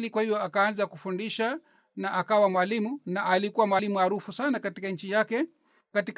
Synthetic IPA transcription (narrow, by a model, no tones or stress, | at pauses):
likwahivjɔakaːnzakufundiʃa | naʔakawamwalimunaʔalikuwamwalimuhaɾufusanakatikaɲ̩t͡ʃijakɛ | katik